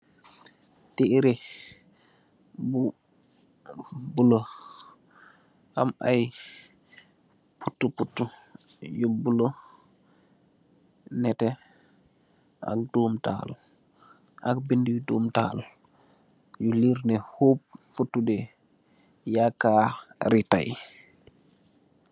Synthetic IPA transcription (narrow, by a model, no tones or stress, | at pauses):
tiʔɾɛ | bu | bulo | ʔa̰mʔa̰j | putːuputːujobulo | nɛtɛ | a̰k̚doːmta̰ːl | ʔakbindijidoːmta̰ːl | juliɾnɛhop̚futːudɛ | jakːaɾita̰j